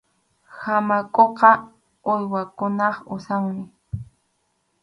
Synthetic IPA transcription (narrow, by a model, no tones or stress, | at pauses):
hamakʼoqɑ | ojwakʊnɑχʊsawnɪ